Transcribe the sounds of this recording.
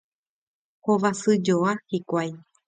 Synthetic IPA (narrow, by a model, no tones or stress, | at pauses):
hoʋasɨd͡ʒoahikʷaj